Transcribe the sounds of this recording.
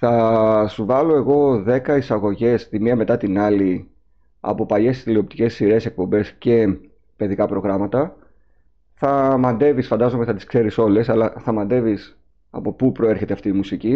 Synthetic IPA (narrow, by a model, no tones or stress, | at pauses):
θɐsuvɐlo̞e̞ɣo̞ðe̞kɐisɐɣo̞ʝe̞st̪imiɐme̞t̪ɐt̪inɐli | ɐ̰po̞pɐʎe̞st̪ilio̞p̚t̪ice̞sːiɾe̞se̞k̚po̞mbe̞sce̞ | pe̞ðikɐpɾo̞ɣɾɐmɐt̪ɐ | θɐmɐnd̪e̞visfɐnd̪ɐzo̞meθɐt̪i̥skse̞ɾiso̞le̞sɐlɐθɐmɐnd̪e̞vis | ɐ̰po̞pupɾo̞e̞ɾçe̞t̪eft̪iːmusici